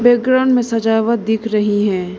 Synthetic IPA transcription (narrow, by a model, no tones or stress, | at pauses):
beːɡɾənmẽsɐd͡ʒaːʋət̪̚d̪ɪkʰɾɐɦiɦɛ̃ː